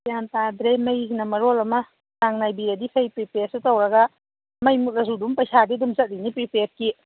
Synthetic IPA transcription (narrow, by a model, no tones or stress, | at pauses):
jantadɾemɐjsinɐmɐɾolɐmɐ | taŋnajbiɾɐdipʰɐjpɾipeɾsutowɾɐɡɐ | mɐjmut̚lɐzudumpɐjsadidumzɐt̚linipɾipeɾ̚ki